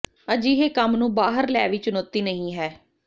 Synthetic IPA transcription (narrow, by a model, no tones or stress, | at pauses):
əd͡ʒiːɦeːkəmnũːbaːɦəɾlɛːʋiːt͡ʃʊnoːt̪ːiːnəɦĩːɦɛː